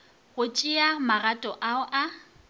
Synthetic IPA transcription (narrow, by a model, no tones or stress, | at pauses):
ɣʊt͡ʃʼiamaɣatʼɔʔaʊʔa